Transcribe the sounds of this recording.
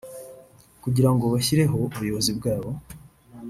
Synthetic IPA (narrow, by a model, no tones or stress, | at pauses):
kuɟiɾaŋɡo̞βaçiɾe̞ɦo̞uβujo̞βo̞zibɡaːβo̞